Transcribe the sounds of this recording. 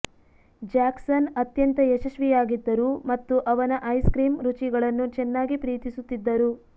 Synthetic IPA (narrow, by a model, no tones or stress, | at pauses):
d͡ʒaːksɐnɐt̪jɐnt̪ɐjɛʃɐʃʋijaːɡid̪ːɐɾumɐt̪ːuʔɐʋɐnɐʔɐjskɾiːmɾut͡ʃiɡɐɭɐnːut͡ʃɛnːaːɡipɾiːt̪isut̪ːid̪ːɐɾu